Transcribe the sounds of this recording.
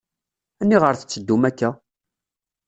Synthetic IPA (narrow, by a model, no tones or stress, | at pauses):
ænːiʁəɾθə̥t͡sːəd̪ːumækːæ